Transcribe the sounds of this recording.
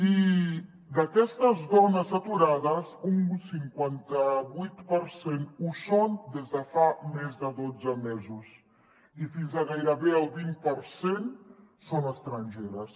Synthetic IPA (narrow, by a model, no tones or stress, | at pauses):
i | d̪akɛst̪ɐzðɔnasat̪uɾaðɐsuŋsiŋkwant̪aβujt̪paɾsenusond̪ezd̪afamɛzd̪ad̪od͡zamɛzus | ifinzaɣajɾaβealbinpaɾsensonast̪ɾanʲd͡ʒɛɾas